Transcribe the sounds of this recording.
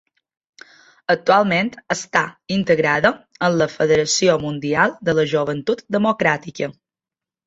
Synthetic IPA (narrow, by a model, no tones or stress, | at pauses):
ək̚t̪ualˠment̪əst̪aint̪əɣɾaðəənləfəðəɾəsiomund̪ialˠd̪ələʒouβ̞ənt̪ut̪d̪əmokɾat̪ikə